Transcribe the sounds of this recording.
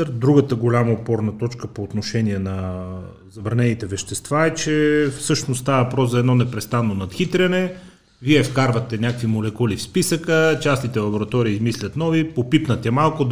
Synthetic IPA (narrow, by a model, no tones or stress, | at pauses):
ɾd̪ɾuɡət̪əɡolʲamɐopɔɾnɐt̪ɔt͡ʃkəpoːt̪noʃɛniɛnɐ | zɐbɾɐnɛnit̪ɛvɛʃt̪ɛst̪vaɛt͡ʃɛfsɤʃnost̪avɐvɐpɾɔszɐɛd̪nɔnɛpɾɛst̪anːonɐt̪xit̪ɾʲɐnɛ | viɛfkaɾvɐt̪ɛnʲakkvimolɛkulifspisəkət͡ʃasnit̪ɛlˠɐboɾɐt̪ɔɾiːzmislʲɐt̪nɔvipopipnɐt̪ɛmalˠkʊd̪